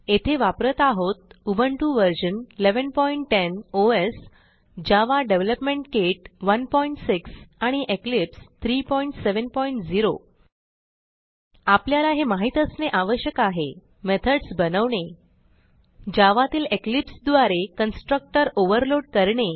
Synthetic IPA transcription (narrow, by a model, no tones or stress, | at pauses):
et̪ʰeʋapɾət̪aɦot̪̚ubəɳʈuʋəɾd͡ʑənileʋənpɔiɳʈːenoes | d͡ʑaʋaɖeʋləpmeɳʈkeʈʋənpɔiɳʈsiksaɽ̃iʔeklipst̪ʰɾiːpɔiɳʈseʋənpɔiɳʈd͡ziɾo | apljalaɦemaɦit̪əsneʔaʋəɕjəkaɦe | met̪ʰəɽsbənəʋɳe | d͡ʑaʋat̪iːleklipsd̪ʋaɾekənsʈɾək̚ʈəɾoʋəɾloɽ̚kəɾɳe